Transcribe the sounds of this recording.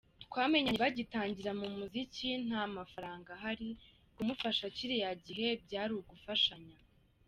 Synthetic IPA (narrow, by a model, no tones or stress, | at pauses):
tkwaːme̞ɲaɲeβaɟitaːɲɟiɾamumuzicin̥hamafaɾaːŋɡaɦaɾi | kumufaʃaciɾijaɟiɦe̞b̚ɟaːɾuɡufaʃaɲa